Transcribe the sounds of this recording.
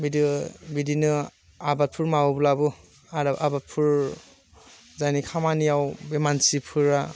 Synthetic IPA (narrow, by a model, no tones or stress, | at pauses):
bidibidinɯ | abat̚pʰuɾmawbulabɯ | aɾaabat̚pʰuɹ | zajnikʰamanijawbemansipʰɯɾa